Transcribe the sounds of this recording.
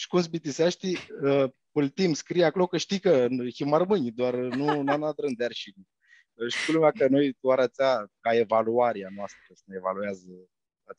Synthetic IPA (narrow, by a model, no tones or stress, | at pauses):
ʃkunsbit̪isaʃt̪iəpɨlt̪imskɾijakolokəʃt̪ikəximaɾmɨnʲd̪oarnunanad̪ɾɨnd̪earʃin | ʃt̪i̥klumʲakənojt̪aɾat͡s̪ʲakaevaluaɾianoast̪ɾəsəneevalueazə | at̪a